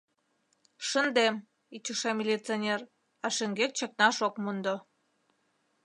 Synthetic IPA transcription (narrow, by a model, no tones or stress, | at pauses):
ʃənd̪em | it͡ɕə̆ʃɑmʲilʲit͡seonʲer | ɑʃə̆ŋɡek̚t͡ɕək̚nɑʃokmund̪o